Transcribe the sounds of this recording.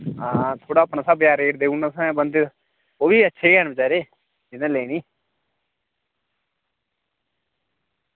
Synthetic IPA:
aːt̪ʰoːɽaːəpɳaːsəbjaːɾeːʈd̪eːuɳasãbənd̪ | oːbiːətːʃʰeːkɛːnbət͡ʃaːɾeː | d͡ʒɪnẽːleːniː

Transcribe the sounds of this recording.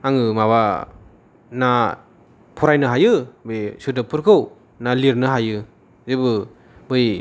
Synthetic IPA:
aŋɯmaβa | na | pʰɔɾajnɯɦajɯbɯjsudɯpʰɯɾkʰɯw | naliɾnɯɦajɯ | zebɯ | bɯj

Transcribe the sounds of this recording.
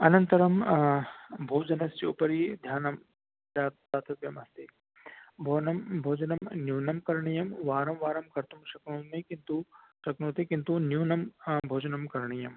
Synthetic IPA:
ɐnɐnt̪ɐɾɐm | bʱoːd͡ʒɐnɐst͡ʃipɐɾid̪ʱjaːnɐm | d͡ʒaːtt̪at̪ʰɐʋjɐmɐst̪e | bʱoːnɐmbʱoːd͡ʒɐnɐmnjuːnɐmkɐɾɳijɐmʋaːɾɐmʋaːɾɐmkɐɾt̪umʃɐknõːmekint̪uʃɐknoːt̪ekint̪unjuːnɐmbʱoːd͡ʒɐnɐmkɐɾɳijɐm

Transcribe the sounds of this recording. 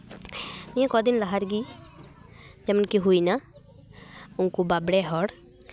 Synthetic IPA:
nijãkɔːd̪ɪnlaɦəɾɡi | d͡ʒɐmənkiɦuina | ʊnkubaːbɽeɦɔːɽ

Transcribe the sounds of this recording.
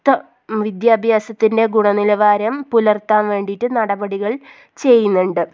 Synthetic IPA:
t̪ɐ | ʋid̪jaːbʱjaːsɐt̪ːinde̞ɡuɳɐnilɐʋaːɾɐmpulɐrt̪aːnʋe̞ːɳɖiʈːɨnɐɽɐbɐɽiɣɐɭ | t͡ɕe̞jːunːuɳɖɨ

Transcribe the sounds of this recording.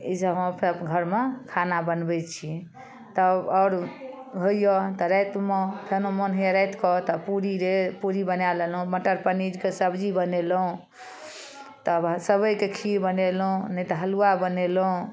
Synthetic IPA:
isəɔ̃pʰeɡʱəɾmekʰanabənbɛt͡ʃʰi | t̪ɔɔːɾ | ɡʱojɔt̪ɔɾɛjt̪mɔpʰenomɔnɦiəɾɛjt̪kɔt̪ɔpuɾiɾepuɾibənalelũməʈəɾpənid͡ʒkesəbd͡ʒibənelũ | t̪ɔbsəbəjkekʰiɾbənelũnɛt̪ɔɦəluabənelũ

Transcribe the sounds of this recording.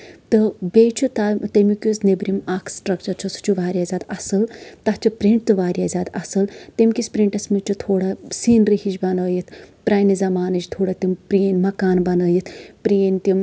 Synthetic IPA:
t̪ɨbet͡ʃʰut̪at̪ɐmikʲusnebɾimakʰsʈɾɐkt͡ʃɐɾt͡ʃʰusu̥t͡ʃʰuʋaːɾʲjaːzʲaːd̪ɐsɨlt̪ɐɦt͡ʃʰupɾiɳʈ̚t̪ɨʋaːɾjaːzʲaːd̪ɐsɨlt̪emʲkʲispɾiɳʈɐsmit͡ʃʰut̪ʰoːɽɐsiːnɾihit͡ʃbɐnɐːjit̪ʰpɾaːjnizɐmaːnɨd͡ʒt̪ʰoːɽɐt̪impɾeːnmɐkaːnbɐnɐːjit̪ʰpɾeːnt̪im

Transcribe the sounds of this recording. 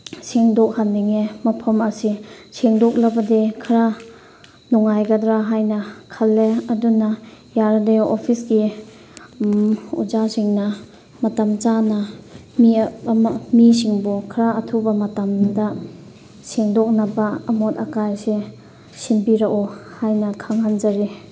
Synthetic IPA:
seŋdɔk̚hanːiŋemɐpʰɐmɐsiseŋdɔk̚labɐdekʰɾa | nɔŋajɡadɾaɦajnɐkʰɐlːeɐdunɐjaɾadeopʰisɡi | ṵd͡ʒasiŋnɐ | mɐtamt͡ʃanɐmi | misiŋbukʰɾaːtʰubɐmɐtamdɐ | seŋdɔk̚nɐbɐɐmɔtɐkajse | simpiɾakɔhajnɐkʰaŋhand͡ʒaɾi

